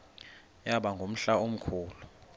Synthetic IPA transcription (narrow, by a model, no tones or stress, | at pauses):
jaɓaŋɡʱom̩ɬaom̩kʰuːlu